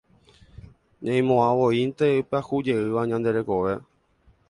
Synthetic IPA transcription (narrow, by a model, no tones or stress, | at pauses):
ɲãj̃mõãʋo̞int̪e̞ɨpeahud͡ʒe̞ɨʋaɲãnd̪e̞ɾe̞ko̞ʋe̞